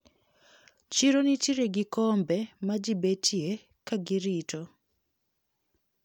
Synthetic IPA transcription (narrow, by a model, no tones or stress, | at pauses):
t͡ʃiɾonit͡ʃiɾeɡɪkɔmbɛmad͡ʒibetje | kaɡɪɾitɔ